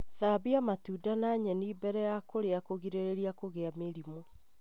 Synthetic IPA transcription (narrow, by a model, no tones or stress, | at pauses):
ðaβiamatuːdanaɲɛnibɛɾɛjakoɾeakoɣiɾeɾeɾiakoɣeameɾimo